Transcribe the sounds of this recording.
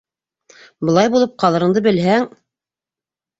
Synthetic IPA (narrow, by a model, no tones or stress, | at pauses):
bɤ̆lˠɑjbulˠɤp̚qɑlˠɤ̆ɾɤ̆ɴd̪ɤbɘ̆lɦæŋ